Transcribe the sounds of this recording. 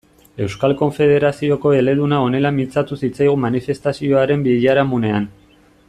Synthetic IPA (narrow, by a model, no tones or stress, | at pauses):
e̞wskalko̞ɱfe̞ð̞e̞ɾasio̞ko̞e̞le̞ðunao̞ne̞lamint͡sat̪usit͡sajɣ̞umanife̞st̪asio̞aɾe̞mbiʎaɾamune̞an